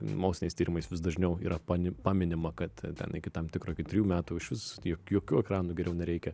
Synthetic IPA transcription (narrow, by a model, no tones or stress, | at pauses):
moʊsʲɪnʲɛɪst̪ʲiːɾɪmɐɪsʋʲɪs̬d̪ɐʒʲnʲɛʊḭːɾʔɐpɑnʲɪpɑːmʲɪnʲɪmɐkɐt̪t̪ʲɛ̰nɪkʲɪt̪ɐmt̪ʲɪkɾoːkʲɪt̪ʲɾʲjuːmʲæːt̪uɪʃʋʲɪsjoːjoːkʲuːɛkɾɑːnuːɡʲɛɾʲɛʊnʲɛɾʲɛɪkʲɛ